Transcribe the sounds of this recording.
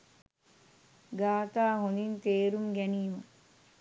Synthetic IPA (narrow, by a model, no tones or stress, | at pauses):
ɡaːt̪aːɦond̪int̪eːɾumɡæniːmə